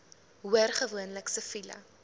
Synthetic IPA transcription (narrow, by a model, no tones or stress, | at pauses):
ɦuərχəvuənləksəfilɐ̰